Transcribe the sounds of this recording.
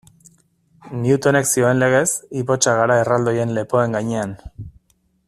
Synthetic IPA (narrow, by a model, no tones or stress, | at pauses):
niut̪o̞ne̞ksio̞enle̞ɣ̞e̞sipo̞t͡ʃaɣ̞aɾaerald̪o̞je̞nle̞po̞e̞ŋɡaɲe̞an